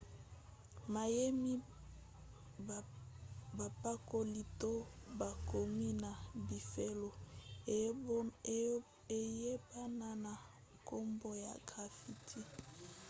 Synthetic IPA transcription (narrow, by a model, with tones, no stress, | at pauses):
ma˨je˦mi˦ | ba˨pa˦ko˦li˦to˦ba˨ko˨mi˦na˨bi˨fe˦lo˨ | e˨je˦ba˦na˦na˨ | ko˦mbo˦ja̰˨ɡʁa˨fi˨tʰi˦